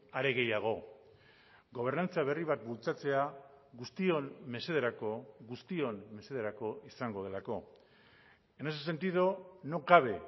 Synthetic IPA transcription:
aɾe̞ɣe̞jaɣ̞o̞ | ɡo̞β̞e̞ɾnant͡saβ̞e̞riβ̞at̪bult͡sat͡se̞a | ɣust̪ionme̞se̞ð̞eɾakoɣust̪io̞nme̞se̞ð̞e̞ɾako̞ʔisaŋɡo̞ð̞e̞lako̞ | enesese̞nt̪iðono̞ɡaβe̞

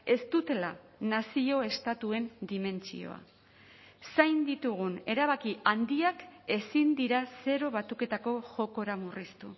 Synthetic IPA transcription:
e̞st̪ut̪e̞la | nasio̞e̞st̪at̪ue̞nd̪ime̞nt͡sḭo̞̰a̰ | sajnd̪it̪uɣ̞une̞ɾaβ̞akiand̪iake̞sind̪iɾase̞ɾo̞β̞at̪uke̞t̪ako̞ʝo̞ko̞ɾamurist̪u

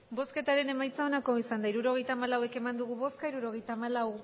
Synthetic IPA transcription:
bo̞ske̞t̪aɾe̞ne̞majt͡sao̞nako̞isand̪aiɾuɾo̞ɣ̞e̞jt̪aːmalawe̞ke̞mand̪uɣuβo̞skaiɾuɾo̞ɣe̞jt̪aːmalaw

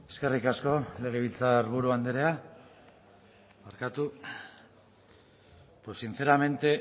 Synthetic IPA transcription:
e̞̥ske̞rikasko̞le̞ɣ̞eβ̞ilt͡saɾβuɾuand̪eɾea | maɾkat̪u | pwesːint͡se̞ɾame̞nt̪e̞

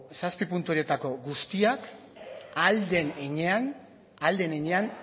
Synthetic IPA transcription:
saspipunt̪uoɾie̞t̪ako̞ɡust̪iak | ald̪e̞neɲe̞an | ald̪e̞neɲe̞an

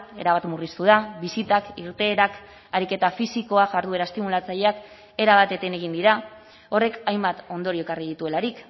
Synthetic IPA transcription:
e̞̰ɾaβat̪murist̪uð̞aβisit̪akiɾt̪e̞ːɾak | aɾike̞t̪afisiko̞aʝaɾðue̞ɾaest̪imulat͡saʎe̞ak | e̞ɾaβ̞at̪e̞t̪e̞ne̞ɣind̪iɾa | o̞re̞kajmbat̪o̞nd̪o̞ɾie̞kariðit̪ue̞laɾik

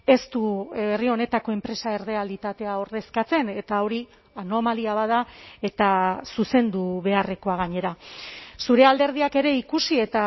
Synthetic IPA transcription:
e̞st̪uβe̞rio̞ne̞t̪ako̞e̞mpɾe̞sae̞ɾð̞ealit̪at̪e̞aoɾðe̞skat͡se̞ne̞t̪ao̞ɾi | ano̞maliaβaðae̞t̪asuse̞nd̪uβe̞are̞ko̞aɣ̞aɲe̞ɾasuɾe̞ald̪e̞ɾð̞iake̞ɾe̞ikusie̞t̪a

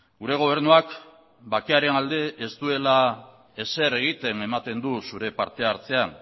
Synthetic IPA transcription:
ɡuɾe̞ɣ̞o̞β̞e̞ɾnuak | bakeaɾe̞nald̪e̞ʔest̪ue̞la | e̞se̞ɾe̞ɣ̞it̪e̞ne̞mat̪e̞nd̪usuɾe̞pa̰ɾt̪e̞aɾt͡se̞an

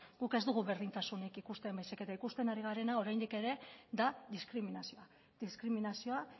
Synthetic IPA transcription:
ɡ̥uke̞zd̪uɣ̞uβe̞ɾð̞int͡s̪asunikikust̪e̞mbajseke̞t̪aikust̪e̞naɾiɣ̞aɾe̞nao̞ɾajnd̪ike̞ɾe̞ðaðiskɾiminasioa | ðiskɾiminasio̞a

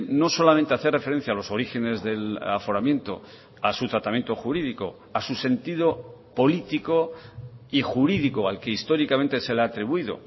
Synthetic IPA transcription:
no̞so̞lamẽnt̪eaθe̞refeɾe̞n̟θjaːlo̞so̞ɾixe̞ne̞zðe̞lafo̞ɾamjẽ̞nt̪o̞̰ | asut̪ɾat̪amjent̪o̞xuɾiðiko̞̰ | asuse̞nt̪iðo̞po̞lit̪iko̞ | ixuɾiðikoalkeist̪o̞ɾikament̪e̞se̞laːt̪ɾiβ̞uiðo̰

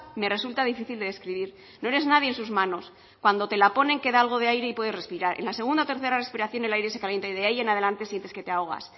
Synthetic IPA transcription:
me̞re̞sult̪aðifiθild̪eðe̞skɾiβ̞iɾ | no̞e̞ɾe̞znað̞jensuzmano̞s | kwand̪o̞t̪e̞lapo̞ne̞ŋkeðaalɣ̞o̞ð̞eajɾe̞ipwe̞ðe̞srespiɾaɾḛnlase̞ɣ̞und̪aot̪e̞ɾθe̞ɾare̞spiɾaθjo̞ne̞lajɾe̞se̞kaljent̪aiðeaienaðe̞lant̪e̞sje̞nt̪e̞ske̞t̪eao̞ɣ̞a̰s

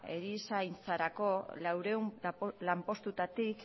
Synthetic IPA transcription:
ḛɾisajnt͡saɾako̞lawɾe̞umlampo̞st̪ut̪at̪ik

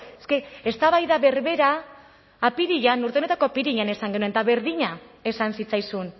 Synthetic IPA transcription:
eske̞est̪aβajðaβe̞ɾβe̞ɾaː | piɾiʎanuɾt̪e̞ne̞t̪ako̞piɾiʎane̞saŋɡe̞nue̞nt̪aβe̞ɾðiɲae̞sansit͡sajsun

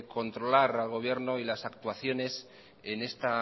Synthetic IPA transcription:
ko̞nt̪ɾo̞laɾalɣ̞o̞β̞je̞ɾno̞ilasak̚t̪waθjo̞ne̞s | ene̞st̪a

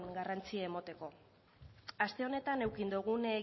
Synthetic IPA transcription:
ɡarant͡siaemot̪e̞ko̞ | ast̪e̞o̞ne̞t̪ane̞wkind̪uɣ̞une

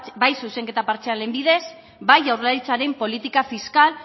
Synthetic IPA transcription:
bajsuse̞ŋke̞t̪apaɾt͡ʃeale̞mbiðe̞s | bajawrelaɾit͡saɾe̞mpo̞lit̪ikafiskal

